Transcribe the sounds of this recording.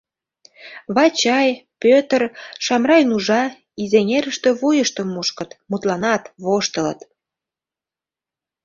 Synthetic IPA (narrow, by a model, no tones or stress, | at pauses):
βɑt͡ɕɑjpøt̪ərʃɑmrɑjnuʒɑ | izenʲeɾəʃt̪ø̆βojəʃt̪ə̆mːuʃkət̪mut̪lɑnɑt̪βoʃt̪ələ̰t̪